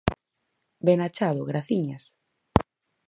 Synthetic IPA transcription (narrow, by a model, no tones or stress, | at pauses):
benat͡ʃaðʊɣɾaθiɲas